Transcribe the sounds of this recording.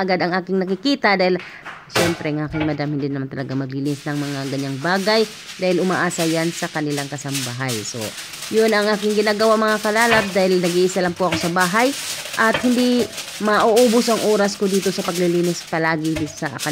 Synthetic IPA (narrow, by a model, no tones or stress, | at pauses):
ɐɡad̪ɐŋʔaːkɪŋnɐkɪkiːt̪ɐd̪aːhɪl | ʃɛmpɾɛŋʔaːkɪŋmɐd̪amhɪnd̪inɐmant̪ɐlɐɡamɐɡ̚lɪliːnɪsnɐŋmɐŋaɡɐɲːaŋbaːɡaj | d̪aːhɪlʊmaːʔaːsɐjansɐkɐnɪlaŋkɐsɐmbaɦajso̰ | jonɐŋʔaːkɪŋɡɪnaːɡɐwamɐŋakɐlaːlɐp̚d̪aːhɪlnɐɡiʔɪsalɐmpoʔɐko̞sɐbaːɦajʔɐt̪̚hɪnd̪imɐʔoʔuːbosɐŋʔoːɾɐskod̪iːt̪o̞sɐpɐɡlɪliːnɪspɐlaːɡɪd̪sɐ̰kɐ